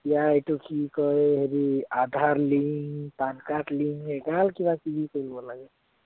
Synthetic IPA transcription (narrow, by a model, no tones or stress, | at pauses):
jaet̪okikɔeɦeɾiad̪ʱaɾliŋt̪ankaʈliŋeɡalkibakibʱikəjlbolaɡe